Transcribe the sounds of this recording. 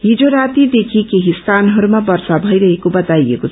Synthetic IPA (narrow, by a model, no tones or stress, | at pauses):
ɦid͡zoɾat̪id̪ekʰikeɦiskanɦʌɾumabʌɾsabʱʌiɾʌɦekobʌt̪ajḛkot͡sʰ